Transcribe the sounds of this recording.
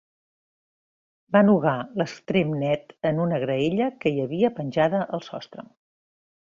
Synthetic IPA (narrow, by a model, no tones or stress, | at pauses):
banuɣaləst̪ɾemnɛt̪ənunəɣɾəeʎəkəiəβiəpənʲʒaðəʔəlˠsɔst̪ɾə̰